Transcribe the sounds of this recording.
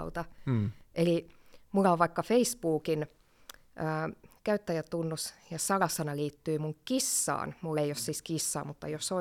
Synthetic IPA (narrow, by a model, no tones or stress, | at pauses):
ut̪ɑʔelimulːɑoʋʋɑikːɑfeispuːkin | ʔəːkæyt̪ːæjæt̪unːusjɑsɑlɑsːɑnɑliːt̪ːyimuŋkisːɑ̰ːnmulːeiossiskisːɑ̰ːmut̪ːɑ̰joso